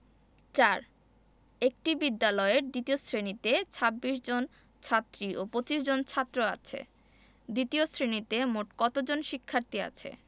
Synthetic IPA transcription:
t͡ɕaɾ | ek̚ʈibid̪ːalɔeɾd̪it̪iosɾenit̪et͡ɕʰabːiʃd͡ʑon | t͡ɕʰat̪ːɾiʔopɾot͡ɕiʃd͡ʑont͡ɕʰat̪ːɾoa̰t͡ɕʰḛ | d̪it̪iosɾenit̪emoʈkɔt̪od͡ʑonʃikʰːaɾt̪ia̰t͡ɕʰḛ

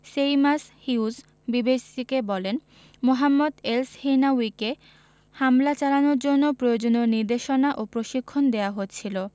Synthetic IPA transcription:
ʃejmashius | bibeʃt̪ʰikebɔlen | moɦamːod̪elshenawike | hamlat͡ɕalanoɾd͡ʑonːopɾojod͡ʑonoɾniɾd̪eʃonaʔopɾoʃikʰːond̪eaɦotːt͡ɕʰilo

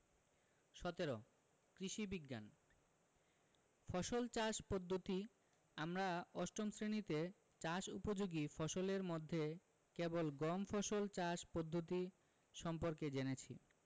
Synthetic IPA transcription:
ʃɔt̪eɾo | kɾiʃibiɡːan | fɔʃolt͡ɕaʃpod̪ʱːot̪i | amɾaɔʃʈomsɾenit̪e | t͡ɕaʃupod͡ʑoɡifɔʃoleɾmod̪ʱːe | kebolɡɔmfʰɔʃolt͡ɕaʃpod̪ʱːot̪i | ʃɔmpoɾked͡ʑenet͡ɕʰḭ

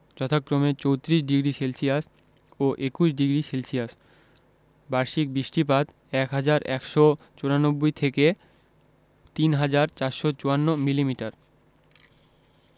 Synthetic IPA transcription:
d͡ʑɔt̪ʰakːɾomet͡ɕowt̪ɾiʃ̬ɖiɡɾiselsijas | oʔekuʃɖiɡɾiselsijas | baɾʃik̚bɾiʃʈipat̪ | ɛkɦad͡ʑaɾɛkʃɔ | t͡ɕoɾanobːojt̪ʰeke | t̪inɦad͡ʑaɾt͡ɕaɾʃot͡ɕoanːomilimiʈaɾ

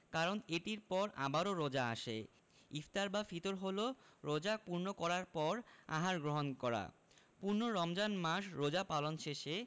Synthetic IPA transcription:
kaɾoneʈiɾpɔɾa̰baɾoɾɔd͡ʑaa̰ʃḛ | ift̪aɾbafit̪oɾɦoloɾod͡ʑapuɾnokɔɾaɾpɔɾa̰ɦaɾɡɾoɦonkɔɾa̰ | puɾnoɾɔmd͡ʑanmaʃɾod͡ʑapalonʃeʃe

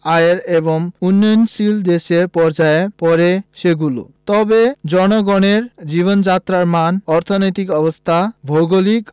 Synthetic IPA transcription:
aeɾeboŋunːojonsild̪eʃeɾpɔɾd͡ʑaepɔɾeʃeɡulo̰t̪ɔbed͡ʑɔnoɡɔneɾd͡ʑiβond͡ʑat̪ːɾaɾmanɔɾt̪ʰonojt̪ikɔbost̪ʰabʱowɡolik

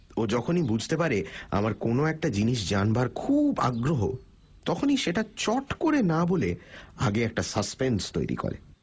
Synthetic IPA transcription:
od͡ʑɔkʰonibud͡ʑʱt̪epaɾea̰maɾkonoɛk̚ʈad͡ʑiniʃ̬d͡ʑanbaɾkʰuba̰ɡɾoɦo̰ | t̪ɔkʰoniʃeʈat͡ɕɔʈkoɾenabolea̰ɡeɛk̚ʈasaspenst̪o̰jɾḭko̰ɾḛ

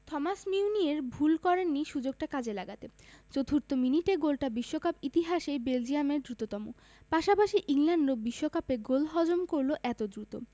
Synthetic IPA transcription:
t̪ʰɔmasmiunieɾbʱulkɔɾenːiʃud͡ʑoɡ̚ʈakad͡ʑʱelaɡat̪et͡ɕot̪ʰuɾt̪ominiʈeɡolʈabiʃːokapit̪iɦaʃebeld͡ʑiameɾd̪ɾut̪ot̪ɔmo̰ | paʃapaʃiʔiŋlaɳɖɾobiʃːokapeɡolɦɔd͡ʑomkoɾloʔɛt̪od̪ɾut̪o̰

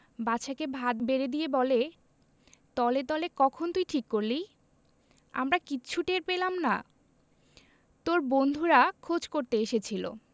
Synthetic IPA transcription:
baʃʰakebʱad̪beɾed̪ijebɔle | t̪ɔleɾt̪ɔlekɔkʰont̪ujʈʰikːoɾlij | a̰mɾakiːɕʰuʈeɾpelamna̰ | t̪oɾbond̪ʱuɾakʰod͡ʑkoɾt̪eeʃet͡ɕʰilo̰

